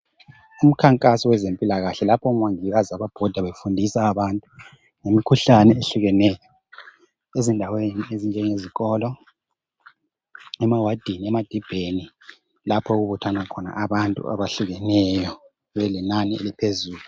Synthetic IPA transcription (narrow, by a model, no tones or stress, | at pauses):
um̩kʰaŋkʼasɔwɛzempʼilaɣaɬɛlapʰɔumwaŋiɣazaβab̥ʱɔd̥ʱaβefundʱisaːβantʼu | ŋemikʰuɬanɛeɬuɣɛnɛjɔ | ezindʱaweniezind͡ʒʱɛŋeziɣɔːlɔ | ɛmawad̥ʱiniɛmad̥ʱib̥ʱeni | lapʰɔɣuβutʰwanakʰɔna̰ʔaβantʼṵa̰βaɬuɣɛnɛjɔ | βɛlinaniḛlipʰezuːlu